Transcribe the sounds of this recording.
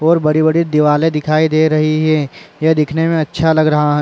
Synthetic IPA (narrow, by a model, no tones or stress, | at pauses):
ɔːɾbɐɽibɐɽid̪ɪʋaːled̪ɪkʰaːid̪eːɾɐɦiɦɛjɐd̪ɪkʰnemẽɐtːʃʰalɐɡɾɐɦaɦɛ̃